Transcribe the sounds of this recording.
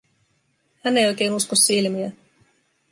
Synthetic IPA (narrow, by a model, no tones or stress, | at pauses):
hænːejo̞jk̟e̞ːnuskosːilmiæ